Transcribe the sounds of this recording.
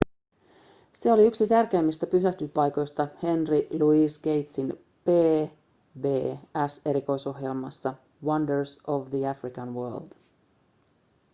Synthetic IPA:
se̞o̞liyksit̪ærk̟eːmːist̪æpysæht̪ypɑjko̞jst̪ɑhe̞nriluisɡe̞jt̪sin | pe̞ː | be̞ːæse̞ɾiko̞jso̞ɦje̞lmɑsːɑ | wɑndəɹsoʋðiæfrikɑnʋøːld̪̥

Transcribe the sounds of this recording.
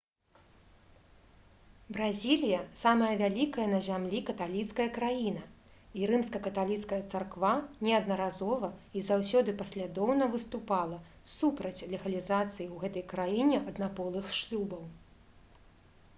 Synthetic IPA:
bɾazʲilʲijɐsamɐjɐvʲalʲikɐjɐnɐzʲamlʲikɐt̪alʲit̪skɐjɐkɾajin̪ɐiɾɨmskɐkɐt̪alʲit̪skɐjɐt̪sarkvanʲɛɐd̪nɐɾazɔvɐizawsʲɔd̪ɨpɐsʲlʲad̪ɔwnɐvɨst̪upalˠɐsupɾɐt͡sʲlʲɛɣɐlʲizat̪sɨjiwɣɛt̪ɐjkɾajinʲɛʔɐd̪napɔlˠɨxʂlʲubɐw

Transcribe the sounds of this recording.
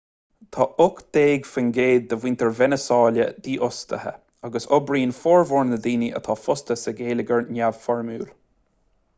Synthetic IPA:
t̪ʰɑːʔʊkd̪̥eːɡfənɡeːd̪̚ːəwint̪ʰəɹvɛnəsɑːlə̰d̪iːʔʊst̪ʰəhə̰ | aɡəsɔbɾiːnfɔːɹvɔːɹnəd̪iːniʔə̰t̪ʰɑːfʊst̪əsəɡeːləɡəɹnʲav̥fɔɹmuːl

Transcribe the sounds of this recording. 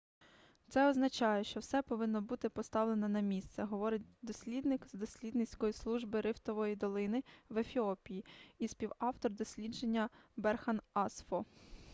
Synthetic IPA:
t̪sɛɔznɐt͡ʃɑjɛʃt͡ʃɔwsɛpɔʋɪnːɔbut̪ɪpɔst̪ɑwle̞nɐnɐmʲist̪sɛɦɔʋɔɾɪtʲd̪ɔsʲlʲid̪nɪkzd̪ɔsʲlʲid̪nɪt͡sʲkɔjislˠuʒbɪɾɪft̪ɔʋɔjid̪ɔlˠɪnɪʋefʲiɔpʲijiispʲiwɑwt̪ɔrd̪ɔsʲlʲidd͡ʒenʲːɐbɛrxɐnɑsfɔ

